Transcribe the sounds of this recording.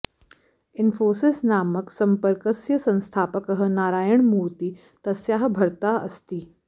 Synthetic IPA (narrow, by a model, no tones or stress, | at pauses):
ɪnfoːsɪsnaːməksɐmpəɾkəsjəsɐ̃nst̪ʰaːpəkəɦə̆naːɾaːjəɳ̃muːɾt̪i | t̪ɐsjaːɦbʱɐɾt̪aɐ̰st̪iː